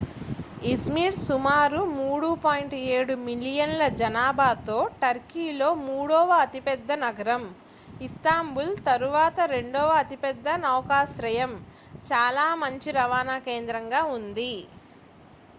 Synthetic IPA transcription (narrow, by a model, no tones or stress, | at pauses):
ismiːɾsumaːɾumuːɽupaːjiɳʈeːɽumilijɐnlɐd͡ʒɐnaːbʱaːt̪o̞ːʈɐɾkiːlo̞ːmuːɽɔːʋɐːt̪ipɛd̪ːɐnɐɡɐɾɐm | ist̪aːmbult̪ɐɾuʋaːt̪ɐɾe̞ɳɖɔːʋɐɐt̪ipɛd̪ːɐnɐːwkaːsɾɐjɐm | t͡ʃaːlaːmɐɲt͡ʃiɾɐʋaːnaːkeːnd̪ɾɐŋɡaːund̪i